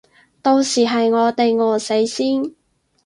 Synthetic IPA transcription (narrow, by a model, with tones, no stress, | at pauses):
t̪o˧wsiː˨˩ɦɐ˨jŋɔː˨˧t̪e˨jŋɔː˨˧se˨˥jsiː˥n